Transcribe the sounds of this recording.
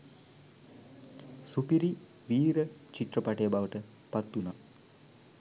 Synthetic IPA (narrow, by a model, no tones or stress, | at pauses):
supiɾi | ʋiːɾət͡ʃiʈ̪rəpaʈejəbaʋəʈə | pat̪ːuna